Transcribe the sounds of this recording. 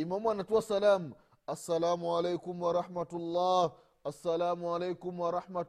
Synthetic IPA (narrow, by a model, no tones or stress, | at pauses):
imamwanːatuasalaːm | asːalaːmuʕalejkʊmwaɾˤɑħmatulˤːaːh | asːalaːmualejkʊmwaɾˤɑħmat